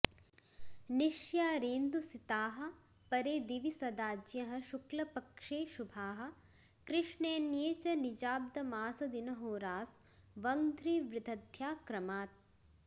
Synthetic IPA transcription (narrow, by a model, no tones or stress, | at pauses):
niʃjaːɾeːnd̪usit̪aːɦɐ̆ | pɐɾeːd̪iʋisɐd̪aːd͡ʒjɐɦɐ̆ʃuklɐpɐkʂeːʃubʱaːɦɐ̆ | kɾɪʃɳeːnjeːt͡ʃɐnid͡ʒaːb̚d̪ɐmaːsɐd̪inɐɦoːɾaːs | ʋɐŋd̪ʱɾiːʋɾɪd̪ʱɐd̪ʱjaːkɾɐmaːt̪̚